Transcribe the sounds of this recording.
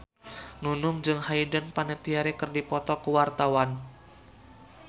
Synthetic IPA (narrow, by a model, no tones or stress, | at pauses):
nunʊŋd͡ʒɨŋhaidənpanət̪iaɾekɨrdipɔt̪ɔkuwart̪awan